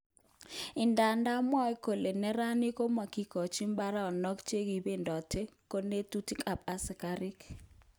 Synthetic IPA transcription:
ɪ˨nda˨nda˦mɔ˦i˦ko˨le˨nɛ˦ɾa˦ni˦ko˦ma˨ki˦kɔ˨t͡ʃi˦mba˦ɾa˦ɔ˨nɔ˦kt͡ʃe˦ɡi˨be˦ndɔ˨tʰe˦ko˦ne˦tu˦ti˦kʰa˨p̚a˦sɪ˨ka˦ɾɪ˦k

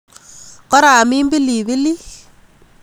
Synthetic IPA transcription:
kɔ˦ɾa˨mi˦mbi˦li˨βi˦li˦

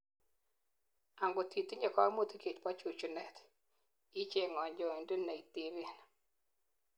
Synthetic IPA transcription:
a˨ŋɡo˨t̪i˨t̪i˦ɲɛ˨kɔ˦mo˦t̪i˦ke˨t͡ʃpa˦t͡ʃu˨t͡ʃu˨nɛ˨t̪ | i˦t͡ʃe˦˨ŋɔ˨ɲd͡ʒɔ˨i˨ndu˦nːa˨i˨t̪i˨βi˦˨n

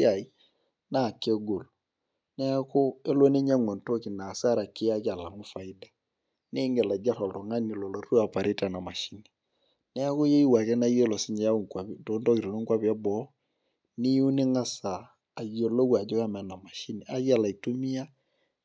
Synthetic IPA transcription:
a˨i˨ | na˦˨ke˦ɡo˨lo | nɛ˦a˦ko˦e˦lo˦ne˦ɲa˦ŋwɔ˨nto˦ki˨na˨sa˦ɾa˨ke˦a˦ka˨la˨mʊ˦fa˨i˦da˨ | ne˦ŋɡɛ˨la˨d͡ʒa˦ɾɔ˨lto˨ŋa˦ni˨lɔ˨lɔ˨ru˦a˨pa˨ɾe˦ta˨na˨ma˨ʃi˦ni˨ | nɛ˦a˦ko˦je˦i˦wa˨kɛ˦na˦ji˦e˦lɔ˨si˦ɲɛ˨ja˦o˦˨ŋkwa˨pto˨˦ntɔ˦ki˨ɾo˨no˦ŋkwa˦pa˦bɔ˦ | ni˦u˦ne˦ŋa˦saː˨ | ɣi˨o˨lo˦kwa˨d͡ʒo˦ka˦mɛ˨na˨ma˨ʃi˦ni˨a˦ɣi˦a˦˨la˨i˨to˦mi˦a˦

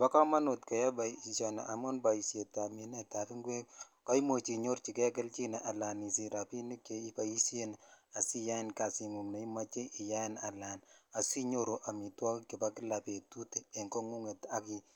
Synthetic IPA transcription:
ba˦kɔ˦ma˦no˨tkɔ˨ja˦ba˨i˨sɔ˨na̰˨ʔa˨mo˦nba˨i˨sje˨ta˨mi˨nɛ˦ta˨kɪ˦ŋɡwe˦k | kɔ˦i˦mo˨t͡ʃi˨ɲo˦rt͡ʃi˨kɛ˦k̬ɛ˦lt͡ʃi˦ne˨ʔa˨la˨ni˨si˨ɾa˨pi˦ni˦ke˨i˦ka˨i˦sje˦na˨si˦ja˦ɪ˦˨nka˨si˨ŋu˨ŋna˨i˦ma˦t͡ʃe˦ʔɪ˨ja˦ɪ˦na˨la˨na˨si˦ɲo˦ɾo˨ʔa˨mi˨twɔ˦kkɪ˨pa˦kɪ˦la˨pe˨tu˦teː˨ŋko˦ŋu˦ŋe˨ta˦ki˦

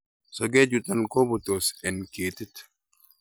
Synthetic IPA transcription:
sɔ˨ɡe˦d͡ʒu˨t̪a˦˨nko˦bɔ˨t̪o˨sɛ˨nke˨t̪i˦t̪

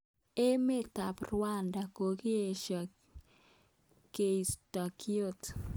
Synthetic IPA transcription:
e˦me˦t̪a˨prwa˦nda˨ko˨ki˦e˨ʃa˨ | ke˨i˨sta˨ki˦o˦˨t

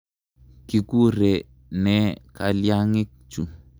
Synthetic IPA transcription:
ki˦ku˦ɾe˨ | nɛ˦ka˨lja˦ŋi˦k̚t͡ʃṵ˨

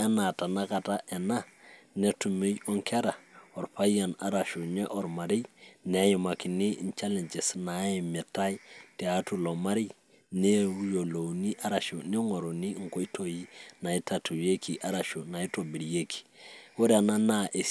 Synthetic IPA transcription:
e˦na˨ta˨na˦ka˨ta˦ʔe˨na˦ | ne˦tu˨me˦jo˦ŋkʰe˦ɾa˨o˨ɾpa˦ja˨na˨ɾa˨ʃo˨ne˦ʔɔ˨ɾma˨ɾi˦ne˨˦ji˨ma˨ki˨ni˦˨nt͡ʃa˦le˨nd͡ʒe˨sna˨˦i˨mi˨ta˦jte˨a˨˦tu˦˨lo˨ma˦ɾi˦ | ne˦jo˨lo˨wni˦ʔa˦ɾa˨ʃo˨ni˦ŋo˨ɾo˨ni˦ŋ̩˨ko˦i˦tʰo˦ji˦na˨i˦ta˨tu˨je˦kʰi˨ʔa˦ɾa˨ʃo˨na˨i˦to˨bi˨lje˦kʰi̥˨wu˦ɾe˨na˦na˦ʔe˨

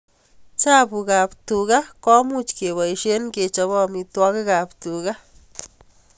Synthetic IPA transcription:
t͡ʃa˦bu˨ɡa˨bt̪u˨ɡa˦ka˦mu˦t͡ʃke˨ba˨jʃe˦nɡe˨t͡ʃa˧ba˦˧mi˧t̪wa˧ɡa˦ɡa˨bt̪u˨ɡa˦

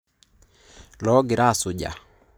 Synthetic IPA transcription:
lɔ˦ɡɪ˨ɾa˦˨sʊ˨ɟa̰˨

